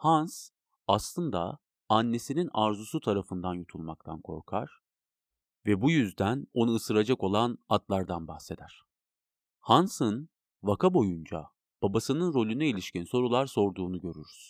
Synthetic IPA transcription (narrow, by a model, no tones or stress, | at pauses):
hans | aslˠɯnd̪a | anːe̞sininaɾzusut̪ʰaɾafɯnd̪anjut̪ʰulˠmak̚t̪ʰankʰo̞̰ɾkʰaɾ̥ | vɛbujyzd̪æno̞nuːsɯɾad͡ʒako̞lˠanat̪lˠaɾd̪anbahse̞d̪æɾ̥ | hansɯn | vakʰabo̞jund͡ʒa̰ | b̥abasɯnɯnɾo̞lʲynɛilʲiʃcinso̞ɾulˠaɾso̞ɾd̪uːnuɟø̞ɾyɾyz̥